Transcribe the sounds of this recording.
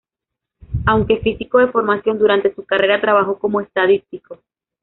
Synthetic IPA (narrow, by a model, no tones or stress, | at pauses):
awŋke̞fisiko̞ðe̞fo̞ɾmasjo̞nd̪uɾant̪e̞sukare̞ɾat̪ɾaβ̞axo̞ko̞mo̞e̞st̪aðist̪iko̞